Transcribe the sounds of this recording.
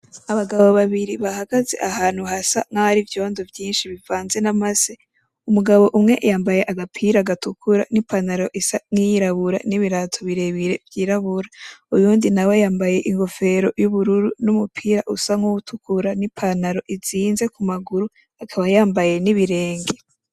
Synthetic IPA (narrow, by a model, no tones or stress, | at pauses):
aβaɡaβo̞βaβiɾiβahaɡaze̞̰ʔaɦaːn̥huhasa̰ŋahaɾivjo̞ːndovjiːnʃiβivaːnze̞namaze | umuɡaβo̞ʔumŋe̞ʔjaːmbajeʔaɡapʰiːɾaɡatukʰuɾanipʰanaɾo̞ʔisaŋ̥ijiɾaβuɾa̰niβiɾatʰo̞βiɾe̞βiɾe̞vjiːɾaβuɾaujuːndinawejaːmbaje̞ʔiŋɡo̞fe̞ɾo̞juβuɾuɾunumupʰiːɾaʔusaŋuwutʰukʰuɾanipʰanaɾo̞ʔiziːnze̞kumaɡuɾu | akʰaβajaːmbaje̞niβiɾe̞ːŋɡe